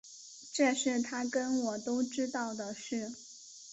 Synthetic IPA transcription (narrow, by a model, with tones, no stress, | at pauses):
ʈ͡ʂɤ˥˧ʂɻ̩˥˩t̪ʰa˥kə˥nwɔ˨˩t̪o˥ʊʈ͡ʂɻ̩˥t̪ɑ˥˩ʊd̪ə˩ʂɻ̩˥˩